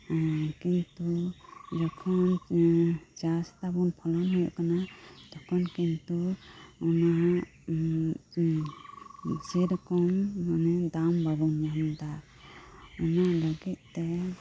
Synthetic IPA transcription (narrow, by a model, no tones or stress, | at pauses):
kintud͡ʒɔkʰɔn | d͡ʒastabunpʰɔlɔmɦɔjʔkanad̪̥ɔkʰɔnkintuɔna | seɾkɔŋːanɛdambabɔnjamd̪aɾ | ɔnalɔɡɛt̪̚t̪ɛ